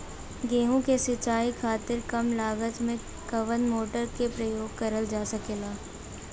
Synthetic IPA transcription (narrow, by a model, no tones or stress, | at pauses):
ɡeːɦũkesɪt͡ʃaːikʰaːt̪ɪɾkɐmlaːɡət̪mẽ | kɐʋənmoːʈəɾkepɾɐjoːɡ̚kɐɾəld͡ʒaːsɐkeːlaː